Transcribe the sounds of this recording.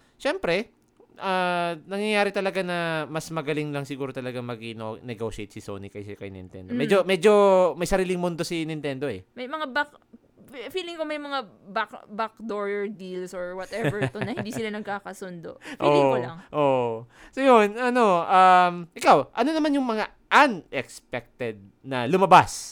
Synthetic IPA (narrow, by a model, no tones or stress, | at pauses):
ʃɛmpɾɛ | ʔanɐŋjɐjaːɾɪt̪ɐlɐɡanɐmɐsmɐɡɐlɪŋlɐŋsɪɡuːɾot̪ɐlɐɡamɐɡɪno̰nɛɡoʃɛjt̪sɪso̰ːnikɐjskɐjnʔɪ̰nt̪ɛ̰nd̪omɛd͡ʒomɛd͡ʒo̞mɐjsɐɾiːlɪŋmond̪o̞sɪnɪnt̪ɛnd̪o̞ʔɛmɐjmɐŋabak | fiːlɪŋkomɐjmɐŋa | bakbak̚d̪oɹɛɹd̪ilsoɹwɐt̪ɛvɛɹt̪onɐhɪnd̪iːsɪlanɐɡ̚kaːkɐsond̪oʔfʔolːɪŋolŋʔoʔ | sojonʔɐno̞ʔɐmʔɪkawʔɐno̞nɐmanjʊŋmɐŋa | ʔɐnɛkspɛk̚t̪ɛd̪̚ | nɐlʊmɐbas